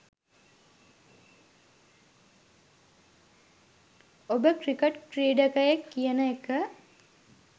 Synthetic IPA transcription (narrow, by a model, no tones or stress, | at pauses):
obəkrikeʈkreːɖəkəjekːijənəekə